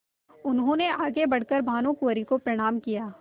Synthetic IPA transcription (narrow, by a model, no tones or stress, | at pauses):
ʊnɦõːneaːɡebɐɽ̤kəɾbʱaːnõkuɾikopɾɐɽ̃aːmkijaː